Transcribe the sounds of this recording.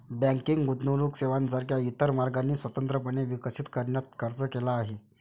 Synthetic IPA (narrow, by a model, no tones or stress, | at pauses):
bæ̃ŋkiŋɡɡut̪noluːkseʋansaɾkjait̪əɾmaɾɡanːiːsʋət̪ənt̪ɾəp̬əɳeʋikəsit̪kəɾɳjat̪̚kʰəɾt͡səkelaːɦe